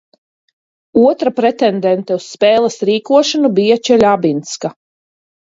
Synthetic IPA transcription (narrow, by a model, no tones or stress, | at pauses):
uɔt̪ɾapɾɛt̪ɛnd̪ɛnt̪ɛusːpɛːlˠasɾiːkuɔʃanubijat͡ʃɛlʲabint̪ska